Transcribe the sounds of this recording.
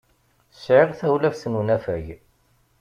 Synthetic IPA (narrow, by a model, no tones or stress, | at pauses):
ə̥sʕɪʁθæwlæfsnunæfæʝ